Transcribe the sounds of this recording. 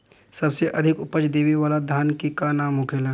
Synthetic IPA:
sɐbseʔɐd̪ʱɪkʊpət͡ʃd̪eːʋiʋaːlad̪ʱaːnkikanaːmʊkʰelɐ

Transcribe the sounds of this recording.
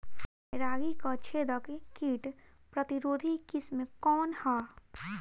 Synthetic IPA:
ɾaːɡikat͡ʃʰeːd̪əkkiːʈ | pɾət̪iɾoːd̪ʱikismẽkɔːnhaː

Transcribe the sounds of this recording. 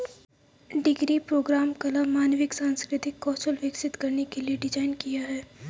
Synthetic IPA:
ɖɪɡɾipɾoːɡɾaːmkɐlamaːnʋɪksãːnskɾɪt̪ɪkːɔːt͡ʃəlʋɪksɪt̪kɐɾnekelieɖɪd͡ʒaːɪnkijaɦɛː

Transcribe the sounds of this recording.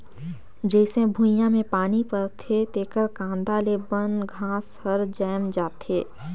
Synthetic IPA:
d͡ʒɛːsẽbʱujãmẽpaːnipəɾt̪ʰet̪eːkəɾkãːnd̪aːlebənɡʱãːshəɾd͡ʒɛːmd͡ʒaːt̪eː

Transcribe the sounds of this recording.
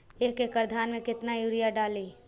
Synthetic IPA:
eːkekəɾd̪ʱaːnmẽkɪt̪najuːɾijaɖaːliː

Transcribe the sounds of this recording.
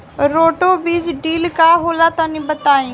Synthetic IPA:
ɾoːʈoːbiːd͡ʒɖiːlkaːɦoːlaːt̪oːnĩːbət̪aːĩː

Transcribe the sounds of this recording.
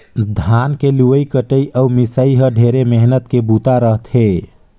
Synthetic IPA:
d̪ʱankeluʋəjkəʈəiʔəumisəiɦəɖʱeɾemeɦnət̪kebut̪aɾəɦt̪ʰɦe

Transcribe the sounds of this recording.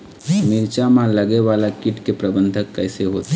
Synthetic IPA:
mɪɾt͡ʃamãləɡeʋaːlakɪʈkepɾəbə̃nd̪ʱəkːɛɪseɦoːt̪

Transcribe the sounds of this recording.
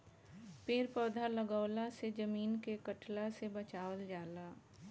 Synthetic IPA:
peːɾpɔːd̪ʱaləɡəːlased͡ʒəmiːnkekəʈlasebət͡ʃaːwəld͡ʒaːlaː

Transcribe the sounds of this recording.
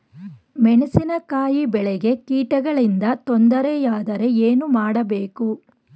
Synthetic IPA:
mɛɳesinɐkaːjibɛɭɛɡe̞kiːʈɐɡɐɭind̪ɐt̪ond̪ɐɾejaːd̪ɐɾe̞eːnumaːɽɐbe̞ːku

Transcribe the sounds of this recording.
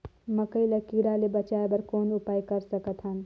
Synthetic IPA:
məkəilekiɾalebət͡ʃaebəɾkoːnʊpaːjkəɾsəkət̪ʰɦən

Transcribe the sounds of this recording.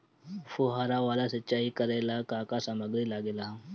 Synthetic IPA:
fuɦaɾaʋalasətːt͡ʃaɦikəɾalakakasaməɡɾilaɡela

